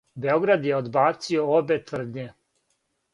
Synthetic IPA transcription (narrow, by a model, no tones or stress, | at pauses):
be̞o̞ɡɾad̪jeod̪baːt̪sioobet̪vr̩d̪ɲe